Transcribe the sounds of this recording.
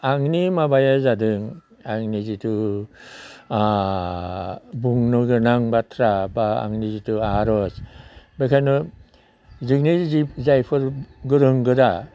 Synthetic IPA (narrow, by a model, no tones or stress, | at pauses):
aŋnimabajazadɯŋ | aŋnizitu | buŋnɯɡɯnaŋbatʰɾabaa̰ŋnizituaɾɔsbekʰanɔ | zɯknizizajpʰɯɾɡɯɾɯŋɡɯɾa